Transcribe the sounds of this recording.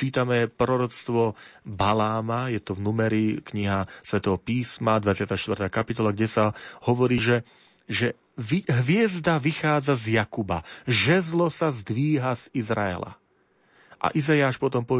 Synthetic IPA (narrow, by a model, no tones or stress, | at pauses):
t͡ʃiːt̪amɛpɾɔɾɔt͡st̪ʋɔbalaːmajɛt̪ɔvnumɛɾikɲiɦasʋɛt̪ɔɦɔpiːsmad̪ʋat͡sɪat̪aːʃt̪ʋrt̪aːkapit̪ɔlaɡɟɛsahɔʋɔɾiːʒɛ | ʒɛ | ʋiɦʋɪɛzd̪aʋixaːd͡zazjakuba̰ʒɛzlɔsazd̪ʋiːɦaz̥izɾa̰ɛ̰la̰ | ʔa̰ʔizajaːʃpɔt̪ɔmpɔ